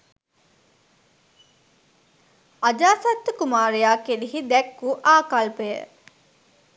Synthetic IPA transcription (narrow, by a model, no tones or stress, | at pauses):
ad͡ʒaːsɐt̪ːəkumaːɾejaːkeliɦid̪ɛkːuːʔaːkalpejə̰